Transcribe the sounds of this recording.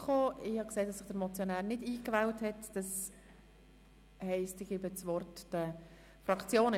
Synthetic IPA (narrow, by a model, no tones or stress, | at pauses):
χoːɪhɑkseːdɑsɪχd̥əɾmɔt͡sjonæːɾnɪdiːkvɛlthɛtd̥ɑs | hɛɪstɪɡ̥ibət͡sʋɔɾtd̥ə | frɑkt͡sjoːn